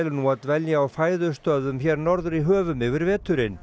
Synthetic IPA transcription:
lnuaðvɛljaawfaːjðʏst̪œðʏmçɛːɾnɔɾðʏɾiɦœːvʏmɪvɪɾvɛːt̪ʏɾɪn

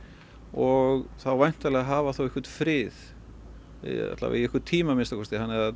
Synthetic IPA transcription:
ɔɣθawvajn̥t̪alɛɣaɦaːvaθowɛhkvɛɾt̪fɾɪð̰ | a̰t̪la̰a̰iɛhkʏɾt̪ʰiːmamɪnst̪akʰɔst̪ɪɦanːɛɾa

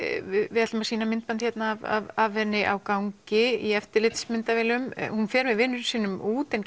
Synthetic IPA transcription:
ɪɪðat̪ʏmḁsiːnamɪnt̪̚pant̪çɛt̪naːva̰vavhɛnːɪʔa̰wkawŋcɪiɛft̪ɪɾlɪt̪smɪnt̪avɛːlʏmhunfɛːɾmɪðvɪnːʏɾsiːnːʏmuːt̪ɪn

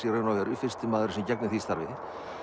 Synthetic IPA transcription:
ireːnawɾʏfɪrst̪ɪmaːðʏɾʏ̥sɪmcɛknɪθist̪aɾvɪ

